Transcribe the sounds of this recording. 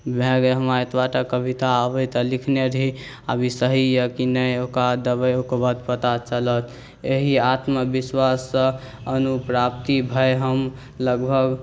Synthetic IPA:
bʱeɡeɦəmaet̪ʰbaʈakəbʱit̪aəbəjt̪əlikʰneɾɦi | abʱisəɦijəkinəjokad̪əbəjokobad̪pət̪at͡ʃələt̪ | eɦiat̪məbiswasːə̃ | ənupɾap̚t̪ibʱəeɦəm | ləɡbʱəɡ

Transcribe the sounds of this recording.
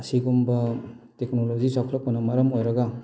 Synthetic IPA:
ɐsiɡumbɐ | tek̚nolozisakʰɾɐk̚pɐnɐmaɾɐmojɾɐɡɐ

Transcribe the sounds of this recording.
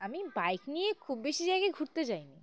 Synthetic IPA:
amibajknijekʰubːeʃid͡ʑajɡajɡʱuɾt̪et͡ɕajni

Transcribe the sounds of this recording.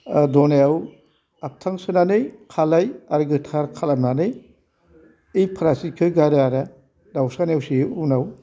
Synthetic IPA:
dɔnajaw | ap̚tʰaŋsɯnanɯjkʰalajaɾɡɯtʰaɾkʰalamnanɯj | ijpʰaɾasikʰɯɡaɾaɾa | dawsanjawsiunaw

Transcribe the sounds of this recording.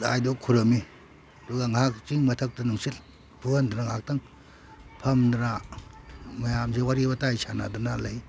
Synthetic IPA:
a̰jdukʰuɾɐmi | duɡaŋak̚t͡ʃiŋmɐtʰɐk̚tɐnuŋsil | buɐndɾaŋak̚tɐŋ | pʰɐmdɾa | mɐjamzewaɾibɐtajsana̰dunalaj

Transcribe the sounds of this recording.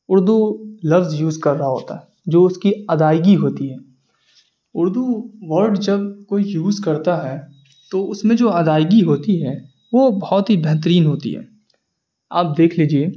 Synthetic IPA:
ʊɾd̪ʱulɐfzjuːzkɐɾːɐɦaɦo̰ːt̪a̰ɦɛ | d͡ʒoːʊskiɐd̪aːjɡiɦoːt̪iɦɛː | ʊɾd̪ʱuʋɐɾɖd͡ʒɐbkoːijuːzkɐɾt̪aɦɛ | t̪oʊsmẽd͡ʒoːɐd̪aːjɡiɦoːt̪iɦɛː | ʋobɐɦɔt̪ɦibɛɦt̪̬əɾiːnɦoːt̪ḭɦɛ̰ː | a̰ːp̚d̪eːkʰliːd͡ʒie

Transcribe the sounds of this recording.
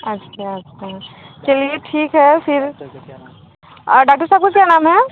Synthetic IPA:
ɐtːʃʰaɐtːʃʰat͡ʃɐlieʈʰiːkɦɛfɪɾ | ɖaːk̚ʈəɾsaːb̚kakjaːnaːmɦɛ

